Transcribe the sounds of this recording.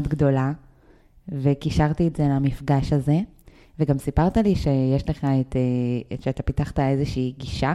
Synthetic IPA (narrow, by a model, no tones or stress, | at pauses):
odɡdo̞la | vekiʃaʁt̪ietzelamifɡaʃaze̞ | veɡamsipaʁt̪aliʃejeʃle̞χaet̪eʃeat̪apitaχt̪ae̞zeʃiːɡiʃa